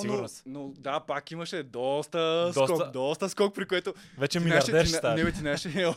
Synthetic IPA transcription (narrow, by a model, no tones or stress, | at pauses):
sinuɾnsnod̪apakimɐʃɛd̪ɔst̪ɐsɔskɔkd̪ɔst̪ɐskɔk̚pɾikoɛt̪o | vɛt͡ʃɛmilnaʃɾdd̪ɛɾt̪anɛbɛt̪inaɛʃɛɛ